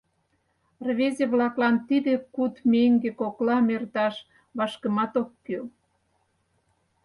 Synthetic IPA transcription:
rβezʲeβlɑklɑnt̪id̪ekut̪meŋɡekoklɑmert̪ɑʃ | βɑʃkə̆mɑt̪okːy

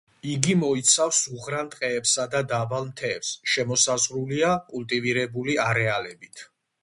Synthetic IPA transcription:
iɡimɔit̪sʰafsuʁɾant̪ʼqʼɛːpsad̪ad̪avalˠmt̪ʰɛːpsʃɛmɔsazʁɾuliakʼult̪ʼiviɾɛbuliaɾɛalɛbit̪ʰ

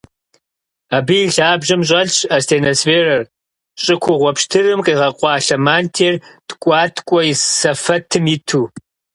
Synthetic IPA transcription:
abɨjiɮaːbʒɐmɕ̬ʼɐɮɕɐstʰeːnosfeːrɐr | ɕʼɪkʷʰʊʁʷɔpʃtʰɨrɨmqiːʁɐqʷʼɑːɬɐmaːntʰeːrtkʷʼɑːtʰkʷʼɔjisɐfɐtʰɨmjɪtʰuː

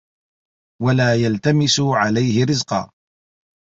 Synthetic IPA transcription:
walaːjalt̪amɪsʊʕalajhɪɾɪzqɑ̰ː

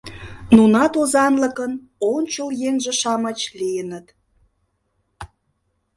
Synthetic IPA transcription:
nunɑt̪ozɑnlə̆kən | onʲt͡ɕəljeŋʒĕʃɑmɑt͡ɕlijənət̪

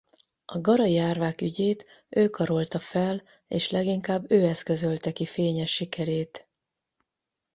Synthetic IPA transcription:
ʔɒɡɒɾɒiaːrvaːkyɟeːt̪ | ʔøːkɒɾo̞lt̪ɒfɛl | eːʃlɛɡiŋkaːbːøːɛskø̞zølt̪ɛkifeːɲɛʃːikʰɛɾeːt̪

